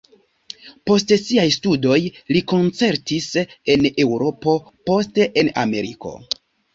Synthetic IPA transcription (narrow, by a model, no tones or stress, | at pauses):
po̞stsiajstudo̞jliko̞nt͡se̞ɾtise̞ne̞wɾo̞po̞ | po̞steʔename̞ɾḭko̞̰